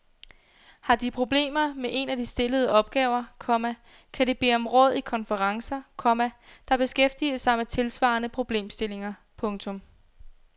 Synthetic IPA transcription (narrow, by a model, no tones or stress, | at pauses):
hɑ̈d̥ipʰʁo̝b̥le̝̰ːmɐmeʔe̝næd̥isd̥e̝ləð̞ˠəʔɒ̽b̥̚ɡ̥ɛːʊɐkʰɒ̽mæ | kʰæd̥eb̥e̝̰ːɒ̽mʁɔ̽ð̰ˠikʰɒ̽nfəʁɑ̈ŋsɐkʰɒ̽mæd̥ɑ̈b̥e̝sɡ̥efd̥iːəsɑ̈ɪmet͡sʰe̝lsʋɑ̰̈ːnəpʰʁo̝b̥le̝̰ːmsd̥e̝le̝ŋɐ | pʰɔ̽ŋt͡sʰɔ̽m